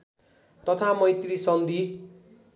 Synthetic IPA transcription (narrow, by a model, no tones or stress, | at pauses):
t̪ʌt̪ʰamʌjt̪risʌnd̪i